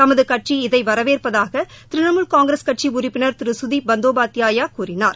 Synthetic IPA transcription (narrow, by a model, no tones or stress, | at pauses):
t̪ɐmɐðɯkɐʈʂiɪðɐɪʋɐɾɐʋeːrpɐðaːɣɐ | t̪ɪɾɪɳɐmɯɭkaːŋɡɪɾɐskɐʈ̚t͡ʃiʊrɪpːɪnɐɾt̪ɪɾɯsʊðibɐnd̪oːbaːt̪ɪjaːjaːkuːrɪna̰ːɾ